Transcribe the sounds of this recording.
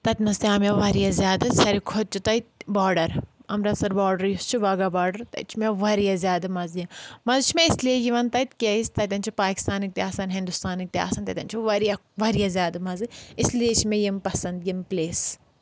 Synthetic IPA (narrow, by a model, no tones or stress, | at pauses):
t̪ɐt̪ʲmɐst̪iaːmɐʋɐɾijazʲjaːd̪ɐsɐɾikʰod̪̚t͡ʃʰut̪ɐt̪baːɾɖɐɾɐmɾɐsɐɾbaːɖɐɾjust͡ʃʰuʋaɡaːbaːɾɖɐɾt̪ɐ̰t͡ʃʰmeʋɐɾijazʲjaːd̪ɐmɐzjɐmɐzt͡ʃʰmeɪslijejiʋɐnt̪ɐt̪ʲkʲeisʲt̪ɐt̪ʲɐnt͡ʃʰipaːki̥st̪aːnɪk̚t̪iɦaːsɐnɦɪ̃nd̪ust̪aːnik̚t̪iɦa̰ːsɐnt̪ɐt̪ʲɐnt͡ʃʰiʋɐɾijaʋɐɾijazʲjaːd̪ɐmɐzɨɪslijet͡ʃʰmẽjimpɐsɐnd̪jimpleːs